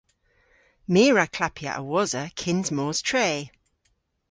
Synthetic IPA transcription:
miːɹakʰl̥apʰja̰ʔə̰wɔzəkʰɪ̃nzmɔːz̥tʰɹ̥eː

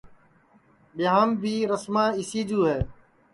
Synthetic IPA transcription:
ɓɪɦaːmbʱiːɾəsmãːɪsiːd͡ʒuːɦɛː

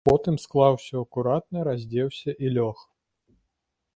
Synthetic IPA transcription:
pɔt̪ɨmsklˠawsʲɔɐkuɾat̪̚nɐɾazʲd͡zʲɛwsʲɐʔilʲɔx

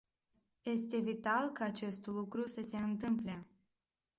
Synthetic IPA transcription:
je̞st̪e̞vit̪alkaːt͡ʃe̞st̪lukɾusəse̞ɨnt̪ɨmple̞

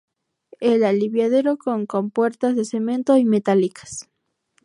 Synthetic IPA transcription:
elaliβjað̞eɾokoŋkompweɾt̪azðesemẽnt̪oimet̪alikḁs

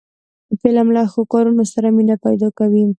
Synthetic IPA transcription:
əpelamlɑxokɑɾunosaɾaminapajd̪ɑkawi

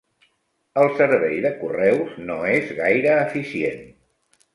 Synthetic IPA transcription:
əlˠsəɾβɛjðəkurɛwznoezɣajɾəːfisiḛn

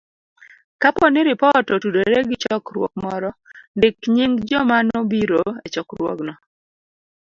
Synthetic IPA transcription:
kapɔnɪɾɪpɔtɔtudeɾeɡɪt͡ʃɔkɾwɔk̚mɔɾɔndɪkɲiŋɡd͡ʒɔmanobiɾoet͡ʃɔkɾwɔ̰ɡnɔ

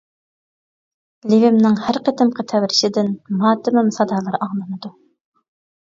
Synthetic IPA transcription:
livɪmnɪŋhæɾqət̪ʰɪmqʰət̪ʰɛwɾɪʃɪd̪ɪnmɑːt̪ɪmɪmsɑd̪ɑːlˠɑɾɑŋlˠɨnɨd̪u

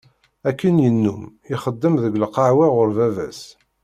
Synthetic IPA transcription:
ækːənjənːumiχəd̪ːəmðəɡləqɑʕwaʁʊɾvævæs

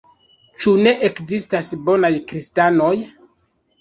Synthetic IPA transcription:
t͡ʃune̞ʔekzistasbo̞najkɾistano̞j

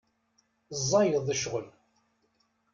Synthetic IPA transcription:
zˤːɑjəðˤəʃʁəl

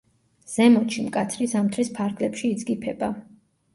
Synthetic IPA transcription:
z̥ɛmɔt͡ʃʰimkʼat̪sʰɾisamt̪ʰɾispʰaɾɡlɛpʃiːd̪zɡipʰɛba

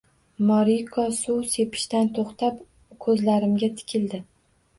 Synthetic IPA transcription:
mɒɾikʰɒsuwse̞pʰɪ̥ʃt̪ant̪ʰoχt̪ʰap | kʰɵzlaɾɪmɡʲat̪ʰɪ̥kʲʰɪld̪ɪ

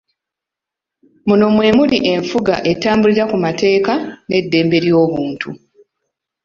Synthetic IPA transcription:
muno̞mwe̞ːmuliʔe̞ɱfuɡa̰ʔe̞taːmbuliɾakumate̞ːkane̞dːe̞ːmbe̞ɾjo̞ːβuːntʰṵ

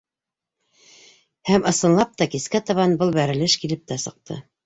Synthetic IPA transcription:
hæmʔɤ̆sɤ̆nlˠɑp̚t̪ɑkiskæt̪ɑβɑnbɤlˠbæɾɘ̆lɘʃkilɘp̚t̪æsɤ̆q̚t̪ʰɤ̰

